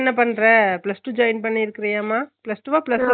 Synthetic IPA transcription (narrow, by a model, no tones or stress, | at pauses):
nːɐpɐɳːɾɛ̃plɐsʈuːd͡ʒɐɪnpɐɳːiɾɯkːɪɾɐjaːmaːplɐsʈuːʋaːpɪlɐs